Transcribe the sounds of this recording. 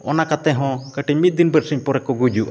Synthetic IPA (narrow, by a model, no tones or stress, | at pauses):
ɔnakat̪ɛɦɔ̃kəʈimit̪̚d̪inbəɾsiɲpɔɾɛkɔɡud͡ʒuʔa